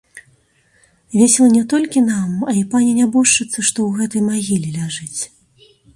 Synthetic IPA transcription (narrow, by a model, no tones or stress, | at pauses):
vʲesʲɛlˠɐnʲɛt̪ɔlʲkʲinamɐlʲipanʲɛnʲabuʂt͡ʂːɨt̪sːɐʂt̪ɔwɣɛt̪ɐjmaɣʲilʲilʲaʐɨt͡sʲ